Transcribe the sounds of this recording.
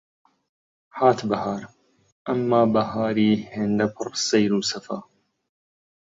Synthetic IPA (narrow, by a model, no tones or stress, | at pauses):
ħaːt̪bɐhaːɾ | ʔɐmːaːbɐhaːɾiːheːnd̪ɐpʰɨrsɐjɾuːsɐfaː